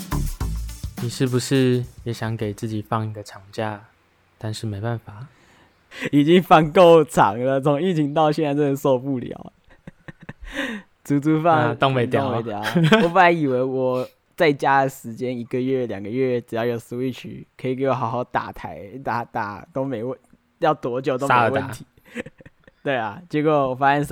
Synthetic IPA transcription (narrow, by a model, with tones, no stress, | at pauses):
ni˨˩ʂɻ̩˥˩bu˧˦ʂɻ̩˥˩jɛ˨˥ɕjɑ˨˧˦ŋke˨˩ɪt͡sɹ̩˥˩t͡ɕi˨˩fɑ˥˩ŋi˧˦ɡə˨˧ʈ͡ʂʰɑ˨˧˩ŋt͡ɕja˥˧ | t̪a˥˧nʂɻ̩˥˩me˧˥ɪpa˥˩nfa˨˩˦ | i˨˩t͡ɕi˦ŋfɑ˥˧ŋko˥˨ʊʈ͡ʂʰɑ̰˨˦ŋlə˨t͡sʰo˧˦˥ŋi˥˩t͡ɕʰi˧˥ŋt̪ɑ˥˧ʊɕɛ˥˧na˥˧ɪt͡sə˥˩ə˨˦nso˥˧ʊpu˥˩ljɑ̰˨˩˦ʊ | t͡su˧˥t͡su˧˥fɑ˥˧ŋt̪ɔ˥˧˨ŋwe˧ɪt̪jo˨˥˨we˧˦ɪt̪̬jɑ˨˦ʊɔ˨˩p̬u˥˩la˧˥ɪi˨˩we˧˥ɪwɔ˨˩ | t͡sa˥˩ɪt͡ɕja˦˥ə˨ʂɻ̩˧˥t͡ɕjɛ˥ni˧˥ɡə˨ɥɛ˥˩ljɑ˨˩ŋɡə˦ɥɛ˥˩ʈ͡ʂɻ̩˨˩jɑ˥˩ʊjo˨˩ʊsu˧i˥˩t͡ɕʰy̰˨˩˦kʰə˧˥i˨˩ke˧˩wɔ˨˩xɑ˧˥ʊxɑ˧˩ʊt̪a̰˨˩t̪ʰa˧˥ɪt̪a˨˩t̪a̰˨˩t̪o˥ʊme˧˦ɪwə˥˧˩ | jɑ˥˩ʊt̪wɔ˧˥t͡ɕjo˨˩t̪o˥˦˧wnt̪ʰi˨˦ | t̪we˥˩ɪa˩t͡ɕjɛ˧˥kwɔ˨˩wɔ˨˩fa˥ɕɛ˥ns